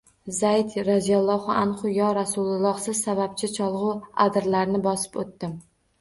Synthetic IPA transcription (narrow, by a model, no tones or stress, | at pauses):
zajd̪ɾazijalˠːɒhʊʔanχʊjɒɾasʊlˠlˠɒχsɪz̥sabap̚t͡ʃʰɪt͡ʃʰɒlˠʁʊa̰d̪ɾlaɾnɪbɒsɪ̥pot̪ːɪm